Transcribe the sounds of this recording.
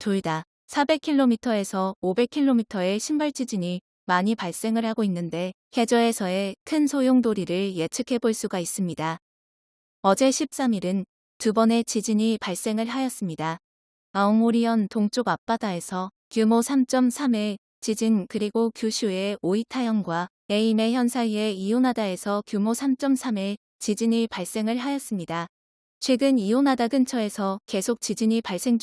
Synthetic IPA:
toɭda | sʰabe̞kʰiɭːomitʰʌe̞sʰʌobe̞kʰiɭːomitʰʌe̞ɕʰimbaɭt͡ɕ͈id͡ʑiɲi | maɲipaɭs͈e̞ŋɯɭhaɡoinːɯnde̞ | he̞d͡ʑʌe̞sʰʌe̞kʰɯnsʰojoŋdoɾiɾɯɭje̞t͡ɕʰɯkʰe̞boɭs͈uɡais͈ɯmɲida | ʌd͡ʑe̞ɕʰip̚s͈amiɾɯn | tubʌne̞t͡ɕid͡ʑiɲipaɭs͈e̞ŋɯɭɦajʌs͈ɯmɲida | aomoɾiʌntoŋt͡ɕ͈oɡap͈̚adae̞sʰʌ | kjumosʰamt͡ɕ͈ʌmsʰamiɭ | t͡ɕid͡ʑinkɯɾiɡokjuɕʰue̞oitʰajʌnɡwa | e̞ime̞çjʌnsʰaie̞ijunadae̞sʰʌkjumosʰamt͡ɕ͈ʌmsʰami | t͡ɕid͡ʑiɲipaɭs͈e̞ŋɯɭɦajʌs͈ɯmɲida | t͡ɕʰwe̞ɡɯnionadaɡɯnt͡ɕʰʌe̞sʰʌke̞sʰok̚t͡ɕ͈id͡ʑiɲipaɭs͈e̞ŋd͡ʑ

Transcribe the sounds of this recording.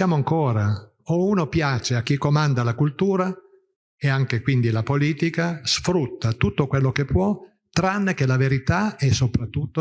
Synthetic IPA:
jaːmoaŋkoːɾa | ouːnopjaːt͡ʃeak̟ːikomand̪alakult̪uːɾa | eaŋk̟ekwind̪ilapoliːt̪ikasfɾut̪ːat̪ut̪ːokwelːokepːwɔ | t̪ːɾanːek̟elaveɾit̪aɛsːopɾat̪ːut̪ːo

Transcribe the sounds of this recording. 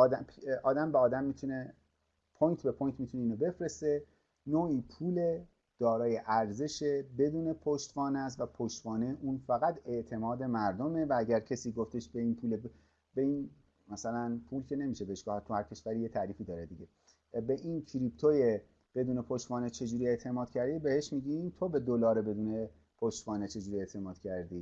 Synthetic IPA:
ɒːd̪æmʰʔɒːd̪æmbeɒːd̪æmːit̪ʰune̞ | pʰoːjnt̪ʰbe̞pʰojnt̪mit̪uneiːnobe̞fɾese̞ | noːʔiːpʰuːle | d̪̥ɒːɾɒːje̞ʔæɾze̞ʃebe̞d̪uːne̞pʰoʃt̪vɒːnæst̪væpʰoʃt̪vɒːneʔuːnfæɣæt̪e̞ʔt̪ʰe̞mɒːd̪e̞mæɾd̪o̞mevææɟæɾcʰesiːɡoft̪e̞ʃbeiːnpʰuːle | bein | mæsælænpʰuːlcʰe̞ne̞miːʃebeheʃɡ̥ɔːhæt̪̚t̪ʰuhæɾcʲʰe̞ʃvæɾijet̪ʰæɾiːfiːd̪ɒːɾed̪iɟe | beʔinkʰiɾipt̪ʰoje | b̥e̞d̪uːne̞pʰoʃt̪vɒːnet͡ʃʰe̞d͡ʒuːɾie̞ʔt̪ʰe̞mɒːd̪̥cʰæɾd̪ibe̞heʃmiːɟiːnt̪ʰobe̞d̪olɒːɾebe̞d̪uːne̞ | pʰoʃt̪vɒːnet͡ʃʰe̞d͡ʒuːɾie̞t̪ʰe̞mɒːd̪̥cʰæɾd̪iː

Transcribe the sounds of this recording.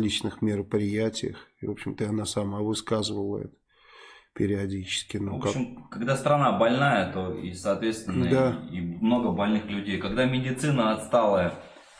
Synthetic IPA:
lʲit͡ɕnɨxmʲɪɾəpɾʲɪjætʲɪjə̰xivo̞pɕːɪmt̪əɐnasɐmavɨskazɨvəlˠəɛ̰t̪ə̥ | pʲɪɾʲɪɐdʲit͡ɕɪ̥skʲɪnookaɪmkɐɡd̪ast̪ɾɐnabɐlʲnajət̪oḭsɐːt̪vʲet̪st̪ʲɪnːəd̪aimno̞ɡəbɐlʲnɨxlʲʉdʲejkɐɡd̪amʲɪdʲɪt̪sɨnəɐt̪st̪alˠəjə

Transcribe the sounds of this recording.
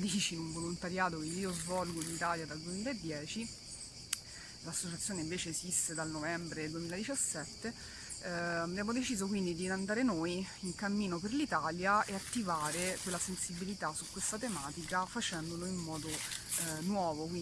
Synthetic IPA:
d̪iːt͡ʃinuɱvolont̪aɾjaːt̪okeiːozvɔlɡoinit̪aːljad̪ald̪uemiːlaed̪ːjɛːt͡ʃi | lasːot͡ʃat̪sːjoːneiɱveːt͡ʃeːsist̪ed̪alnovɛmbɾed̪uwemilad̪it͡ʃasːɛt̪ːe | abjaːmod̪et͡ʃiːzokwind̪id̪iand̪aːɾenoj | iŋkamːiːnoperlit̪aːljaeat̪ːivaːɾekwelːasensibilit̪asukːwest̪at̪emaːt̪ikafat͡ʃɛnd̪oloimːɔːd̪o | nwɔːvoki

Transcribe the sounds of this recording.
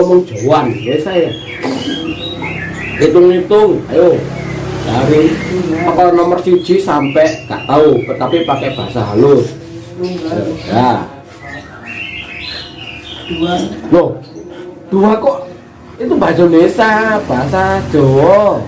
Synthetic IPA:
ɔmɔŋd̥ʒ̥ɔ̤wanbesaja | kit̪ʊŋlit̪ʊŋa̰jo | d̥aɾiakɔnɔmərsid̥ʒ̥i̤sampɛʔŋa̰ʔt̪aut̪apipakɛb̥aasaɦalʊs | ɡa | nɔh | d̪̥uakɔʔ | it̪umbad͡ʒɔmesab̥aɦsad̥ɔɔ

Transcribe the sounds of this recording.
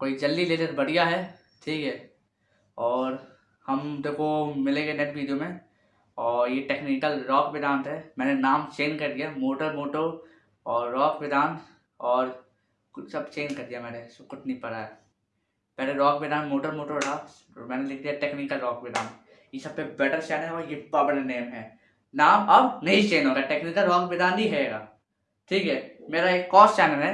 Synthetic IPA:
koːid͡ʒɐlːileːd͡ʒəɾbɐɽ̤ijaɦɛː | ʈʰiːkɦɛː | ɔːɾ | hɐmt̪okomɪlẽɡenɛʈʋiːɖijomẽ | ɔːɾjeʈeːknɪkəlɾɔːkbɪd̪aːnt̪ɦɛːmɛ̃ːnenaːmt͡ʃeːnkɐɾd̪ijamoːʈəɾmoːʈo | ɔːɾːɔːkbɪd̪aːn | ɔːɾ | sɐbt͡ʃeːnd͡ʒkɐɾd̪ijamɛːneskʊt̪nipɐɾaɦɛ | pɛːɾeɾɔːkbɪd̪aːnmoːʈəɾmoːʈoɽaː | mɛ̃ːnelɪkʰd̪ijaʈeːknikːəlɾɔːkʋɪd̪aːn | jesɐb̚pebɛːʈəɾt͡ʃɛːnəlojɪbabɐɽaneːmɦɛː | naːmɔːbnɐɦĩt͡ʃeːnɦoːɡaʈeːknikːaɾɔːkbɪd̪aːnɦiɦɛeːɡaː | ʈʰiːkɦɛːmeːɾaeːkːɔːst͡ʃɛːnəlɦɛː

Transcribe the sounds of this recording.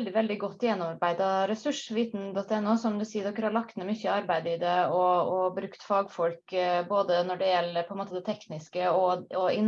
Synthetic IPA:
ld̪ɪʋɛld̪ɪɡɔt̪ːjɛnɔmɾbæɪd̪ɑɾɛsʉʂʋiːt̪n̩d̪ɔt̪ːɛnːuːsɔmd̪ʉsiːd̪ɔkːəɾɑɭɑkt̪mɛmʏçəɑɾbæɪd̪əɪd̪ɛɔɔbɾʉkt̪fɑːɡfɔlkboːd̪ənɔɖɛjɛlːəɾpʰɔɛnmoːt̪əd̪ɛt̪ʰɛknɪskəɔɔɪn

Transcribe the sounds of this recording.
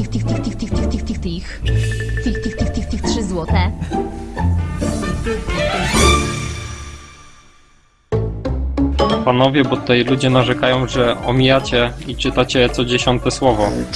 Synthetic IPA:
xt̪ixt̪ixt̪ixt̪ixt̪xt̪xt̪xt̪xt̪ixt̪ixt̪ixt̪ixt̪ɘxtʂɘzwɔt̪ɛ | panɔvʲjɛbɔt̪u̥t̪ajlud͡ʑɛnaʐɛkajɔ̃w̃ʐɛɔmʲijat͡ɕɛit͡ʂɘt̪at͡ɕɛt̪sɔd͡ʑeɕɔnt̪ɛswɔvɔ

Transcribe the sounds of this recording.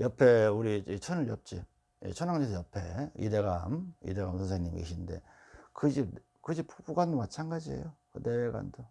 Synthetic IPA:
jʌpʰe̞uɾiit͡ɕʰʌnɯɭjʌp̚t͡ɕ͈i | jḛt͡ɕʰʌnaŋd͡ʑesʰjʌpʰe̞ḭde̞ɡa̰mḭde̞ɡamsʰʌns̬ʰeŋɲimkḛɕʰinde̞̰ | kɯd͡ʑi | kɯd͡ʑipbuɡwandomat͡ɕʰaŋɡad͡ʑiḛjokɯne̞weɡwa̰ndo

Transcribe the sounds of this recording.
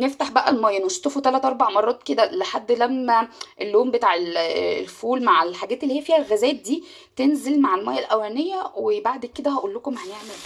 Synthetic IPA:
neft̪aħbæʔælmæjːænoʃt̪ːofot̪ælæt̪ʔɑɾˤbaʕmɑrˤːɑːt̪ked̪æleħad̪ːlæmːæʔelːoːmbet̪aːʕellfuːlmaʕelħaɡæːt̪elːihiæfiːhælɣæzæːt̪̚d̪iː | t̪enzelmaʕelmæjːælʔæwæːnejːæwebaʕd̪ked̪æhæʔulːokomhæjeʕmel

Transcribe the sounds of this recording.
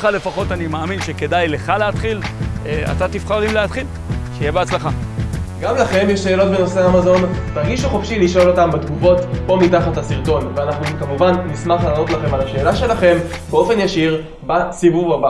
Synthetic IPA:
χale̞faχo̞tanimaːminʃeke̞dajle̞χaleatχila̰tat̪ifχaʁimleat̪χil | ʃejebeat͡slaχaɡamlaχe̞mjeʃːe̞ːlo̞tbeno̞seamazo̞ntaʁɡiʃuχofʃiliʃo̞lo̞tambet̪ɡuvo̞tpo̞mitaχathasiʁto̞nveanaχnukamuvanːismaχlaːnotlaχe̞malaʃe̞ːlaʃe̞laχe̞mbeo̞fe̞njaʃiʁ | basivuvaba

